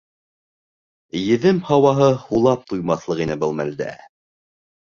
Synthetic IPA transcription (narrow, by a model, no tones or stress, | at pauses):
jɘ̆ðɘmhɑwɑɦɤhulˠɑp̚t̪ujmɑθlˠɤʁinɘbɤlˠmæld̪æ̰